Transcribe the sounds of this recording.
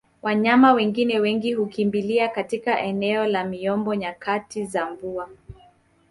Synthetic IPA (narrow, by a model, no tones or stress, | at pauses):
wʔaɲamawɛŋɡinɛwɛŋɡihukimbiliakatikaʔɛnɛɔlamiɔmbɔɲakʰatizaɱvua